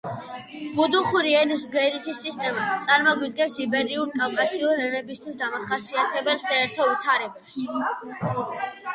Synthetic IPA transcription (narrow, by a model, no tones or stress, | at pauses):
b̥ud̪uχuɾiɛnisɡɛɾit̪ʰisːist̪ʼɛmat̪sʼaɾmɔɡwid̪ɡɛnsibɛɾiuɾkʼamkʼasiuɾɛnɛbist̪ʰwisd̪amaχasiat̪ʰɛbɛlˠsaɛɾt̪ʰɔvit̪ʰaɾɛbaʃi